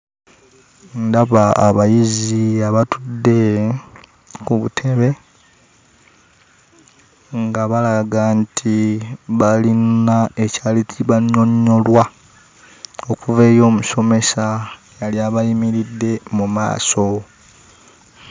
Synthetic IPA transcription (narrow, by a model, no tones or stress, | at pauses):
ndaβaːβajiziaβatudːe̞ | kuβutʰe̞βe̞ | ŋɡaβalaɡantʰiβalinaecaːlicʰiβaɲːo̞ɲːo̞lwa | okuve̞ːjo̞ːmuso̞me̞sa | jaljaβajimiɾidːe̞muma̰ːso̞